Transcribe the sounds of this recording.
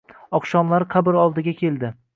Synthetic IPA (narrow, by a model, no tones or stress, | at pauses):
ɒqʃɒmlaɾɪqʰɑbɪɾɒlˠd̪ɪɡʲakʲʰe̞ld̪ɪ